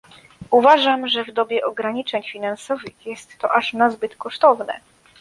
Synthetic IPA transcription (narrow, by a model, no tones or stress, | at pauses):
uvaʐamʐɛvd̪ɔbʲjɛʔɔɡɾaɲit͡ʂɛɲfʲinansɔvɘxjɛst̪ːɔʔaʂnazbɘt̪kɔʂt̪ɔvnɛ̰